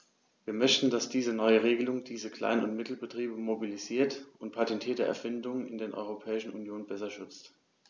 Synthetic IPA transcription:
viːɐmœçtn̩dasd̥iːzənɔʏəʁ̞eːɡəlʊŋd̥iːzəkl̥a̰ɪnʊntmɪtl̩bətʁ̥iːbəmobiliziːɐtʊnt̚pʰatɛntʰiːɐdəʔɛ̰ɐfɪndʊŋnɪndeːnʔɔ̰ʏʁ̞opʰɛːɪʃn̩unjoːnbɛsɐʃʏt͡st

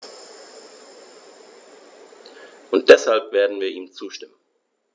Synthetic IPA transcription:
ʔʊnt̚d̥ɛshalpv̥eːɐdn̩viːɐʔiːmt͡suːʃtɪmən

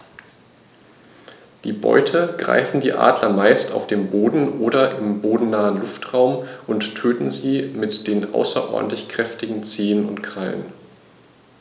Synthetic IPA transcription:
d̥iːbɔ̰ʏtʰəɡ̥ʁa̰ɪfn̩diːʔa̰ːdlɐmaɪsta̰ʊfd̥eːmboːdn̩ʔoːɾɐʔɪmboːdn̩naːənlʊftʁ̥aʊmʔʊnttʰːøːtn̩ziːmɪtd̥eːnʔa̰ʊsɐʔɔ̰ɐdn̩tlɪçkʁ̥ɛftɪɡŋ̩t͡seːənʊ̰ntkʁ̥alə̰n

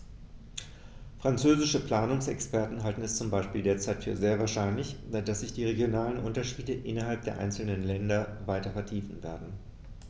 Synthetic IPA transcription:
fʁ̥ant͡søːzɪʃəpl̥aːnʊŋsɛ̰kspɛɐtn̩ɦaltn̩ɛst͡sʊmbaɪʃpiːldeːɐt͡saɪtfyːɐzeːɐvaːɐʃaɪnlɪçd̥asz̥ɪçd̥iːʁeɡjonaːlənʔʊntɐʃiːdəʔɪnɐɦalp̚d̥eːɐʔa̰ɪnt͡sl̩nənlɛndɐvaɪtɐfɛɐtʰiːfn̩veːɐdn̩

